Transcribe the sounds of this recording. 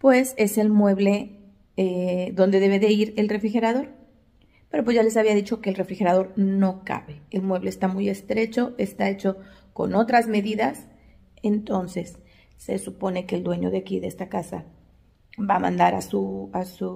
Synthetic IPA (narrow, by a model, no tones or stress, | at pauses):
pwe̞se̞se̞lmwe̞βle̞ | eðo̞nd̪e̞ðe̞β̞eðe̞iɾe̞lre̞fɾixe̞ɾaðo̞ɾ | pe̞ɾo̞pwezʝale̞saβiaðit͡ʃo̞keːlre̞fɾixe̞ɾaðo̞ɾno̞ka̰βe̞elmwe̞βle̞eːst̪amuje̞st̪ɾe̞t͡ʃo̞ʔe̞st̪ae̞t͡ʃo̞ko̞̰no̞t̪ɾazme̞ðiðas | e̞nt̪o̞nse̞sː | e̞̰supo̞ne̞ke̞ːld̪we̞ɲo̞̰ðeakiðeest̪akasa | βamã̰nd̪aɾasuasu